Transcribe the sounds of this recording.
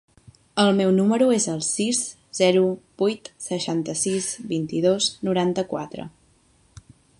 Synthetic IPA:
əlˠmɛwnuməɾuezəlˠsiz | z̥ɛɾubujt̪səʃant̪əsizbint̪iðoznuɾant̪əkwat̪ɾə̰

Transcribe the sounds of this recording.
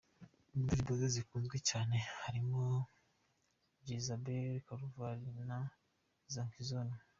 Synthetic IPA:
indiɾbozozikuːnzɡwecaːne̞haɾimo | ɾizabeɾikaɾuvaɾina | zaŋkizoni

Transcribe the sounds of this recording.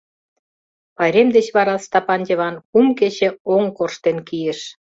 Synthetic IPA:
pɑjɾemd̪et͡ɕβɑɾɑst̪ɑpɑnʲdʲeβɑnkumket͡ɕĕoŋkorʃt̪enkijĕʃ

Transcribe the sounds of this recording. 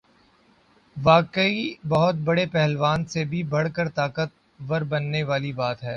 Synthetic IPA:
ʋaːkəibɐɦʊt̪̚bɐɽepɛɦlʋaːnsebʱibɐɽkəɾt̪aːkət̪̚ | ʋɐɾbɐnːeʋaːlibaːt̪ɦɛː

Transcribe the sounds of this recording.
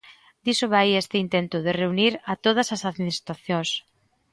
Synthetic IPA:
d̪isoβajest̪ɪint̪ent̪ʊð̞ereuniɾɐt̪oð̞ɐsɐsaðminist̪ɾaθjõŋs

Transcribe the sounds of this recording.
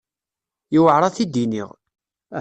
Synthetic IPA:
jiwəʕɾˤɑθid̪inḭʁ

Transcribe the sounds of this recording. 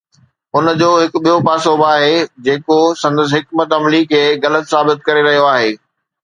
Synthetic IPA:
ʊnd͡ʑoːɦɪkɓijopaːsoːbaːɦed͡ʑeːkosɐ̃nd̪əs̬ɦɪkmət̪ɐmlikʰeːɣɐlət̪saːbɪt̪̚kɐɾeɾɐɦijoaːɦeː

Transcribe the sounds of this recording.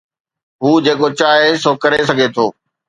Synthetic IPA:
ɦuːd͡ʑeːkot͡ɕaːɦesokɐɾes̬ɐɡʱet̪ʰoː

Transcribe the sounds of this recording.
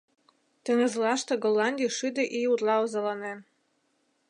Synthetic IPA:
t̪ə̆ŋə̆zlɑʃt̪ĕɡolːɑnʲd̪ʲiʃyd̪ĕʔiurlɑozɑlɑnen

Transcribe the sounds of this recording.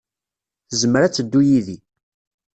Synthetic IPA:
θzəməɾæt͡sːəd̪ːujiði

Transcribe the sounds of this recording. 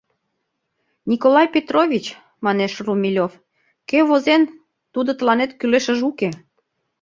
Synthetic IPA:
nʲikolɑjpʲet̪rovʲit͡ɕ | mɑneʃrumʲilʲof | keβozen | t̪ud̪ot̪əlɑnet̪kyleʃə̆ʒuke

